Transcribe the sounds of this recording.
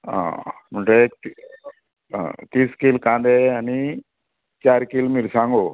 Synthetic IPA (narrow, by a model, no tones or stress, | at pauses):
ã̰muɳʈeekt̪ | t̪iːskilkãːnd̪eani | t͡ʃaːɾkilmiɾsãŋɡo